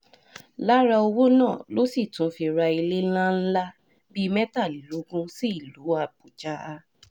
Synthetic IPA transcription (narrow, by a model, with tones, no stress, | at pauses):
la˦ɾa˧o˧wo˦nãː˦˨lo˦si˦˨tũ˨˦fi˧ɾa˧i˧le˦lã˦n̩˦la˦ | bi˦˧mɛ˦ta˦˨li˨lo˨˦ɡũ˦si˦i˦˨lu˨˦a˧˨bu˨d͡ʒa˦a˧